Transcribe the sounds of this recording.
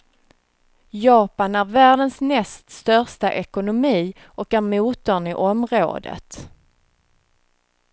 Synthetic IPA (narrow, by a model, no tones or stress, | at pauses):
jɑːpanæɾvæːɖənsmɛst̪st̪œʁʂtaʔɛkʊnʊmiː | ʔɔkæɾmuːt̪ɔnɪʔɔmɾo̰ːd̪ə̰t̪